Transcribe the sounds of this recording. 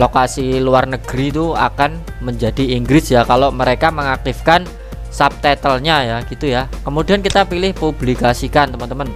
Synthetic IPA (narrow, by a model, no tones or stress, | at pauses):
lokasiluarnəɡ̥ɾit̪ua̰kan | məɲd͡ʒadiiŋɡɾɪsjakaloməɾekaməŋak̚t̪ɪfkan | sap̚t̪ɛt̪əlɲajaɡ̥it̪ujakəmudiankit̪apilɪhpublikasikant̪əmənt̪əmən